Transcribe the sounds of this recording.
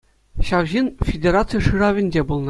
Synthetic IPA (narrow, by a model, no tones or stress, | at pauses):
ɕɑwʑinfʲedʲeɾat̪sɨjʂɯrɑʋʲɘ̆nʲd͡ʑʲebulˠnɤ